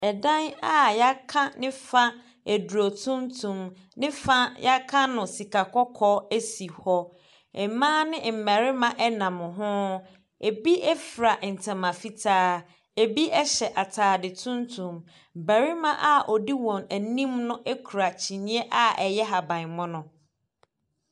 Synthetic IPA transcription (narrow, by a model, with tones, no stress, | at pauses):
ɛ˨dã˦na˦ja˦kʰã˦nɪ̃˦fa˦ | æ˨du˨o˨tʰũ˦ntʰũ˨m | nɪ̃˦fa˦ja˦kʰã˦nʊ̃˨si˨kʰa˨kʰɔ˦kʰɔ˦e˦si˨hɔ˦ | ɛ˨mãː˦nɪ̃˦m̩˨mæ˨ɾɪ˦mã˨ʔɛ˦nã˨mʊ̃˨ɦʊ̃˦ | e˨bi˦ʔɛ˦fɾa˨ʔn̩˨tʰɛ̃˨mã˨fi˦tʰaː˦ | e˨bi˦ʔɛ˦ɕɛ˨ʔa˨tʰaː˨dɪ˨tʰũ˦ntʰũ˨m | bæ˨ɾi˦mã˦ʔa˨ʔɔ˨di˦wɔ̃˨næ˨nĩ˦mnʊ̃˦ʔɛ˦kʰu˨ɾa˨t͡ɕʰi˨nĩ˦ɛ˦ʔa˦ɛ˨jɛ˦ɦa˨bã˨n˨mʊ̃˦nʊ̃˨